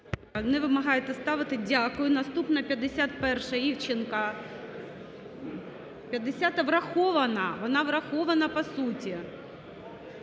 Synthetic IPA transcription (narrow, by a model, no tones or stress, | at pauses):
nɛʋɪmɐɦɑjet̪ɛst̪ɑʋɪt̪ɪdʲakʊjʊnɐst̪upnɐpʲjɐd̪ːesʲat̪̚pɛrʃɐiwt͡ʃɪnkɐ | pʲjɐd̪ːesʲat̪ɐʋrɐxɔʋɐnɐʋɔnɑʋrɐxɔʋɐnɐpɐsutʲi